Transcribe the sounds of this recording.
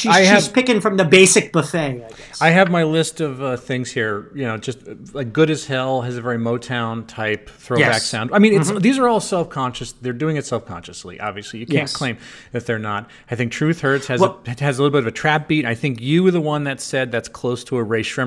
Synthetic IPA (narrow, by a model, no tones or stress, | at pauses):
ʃiaɪɨivz̥pʰɪkɨ̃nfɹʌ̃mðɨbeɪsɨk̚b̥əfeɪaɪɛsaɪɨvmaɪlɪstʌvʌθɪ̃ŋz̥hiɹjɨnoʊd͡ʒʌst̚ | laɪk̚ɡ̥ʊɾɨz̥hɛlˠɨzɨvɛɹimoʊtʰãʊ̃ntʰaɪp̚θɹoʊbæksãʊ̃ndaɪmĩnɨtsðizə˞ɔlˠsɛlˠfkʰɑ̃nʃɨsðə˞dʉɪ̃ŋɨtsɛlˠfkʰɑ̰̃nʃɨslḭʔɑ̰bviɨslijɨkʰæ̃nkʰl̥ẽɪ̃mɨfðə˞nəɾ̚ | aɪθɪ̃ŋk̚tʰɹ̥ʉθhɜ˞tshɨzɨɨzəlɪɾl̩ˠbɪɾʌvɨtʰɹ̥æp̚b̥iɾɨ̃naɪθɪ̃ŋkjɨwə˞ðəwʌ̃nðɨtsɛd̪̚ðætskʰl̥oʊstʰəːɹeɪʃɹɪ̃